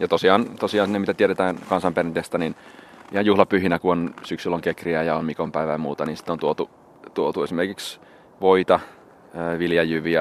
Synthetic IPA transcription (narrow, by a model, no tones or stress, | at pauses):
jɑt̪osiɑːnt̪osiɑːnsinːemit̪æt̪ieɾet̪æːnkɑnsɑmperint̪est̪ɑninihɑjjuhlɑpyhinækuonsyksylːoŋkekriæjɑommikompæiʋæjɑmuːt̪ɑniːnsi̥t̪ːˑont̪uot̪u | t̪uot̪uesimerkiks | ʋoit̪ɑ | øːʋiljɑjyʋiæ